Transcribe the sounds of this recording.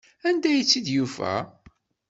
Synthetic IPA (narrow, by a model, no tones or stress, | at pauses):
ænd̪æjət͡sːid̪jufæ̰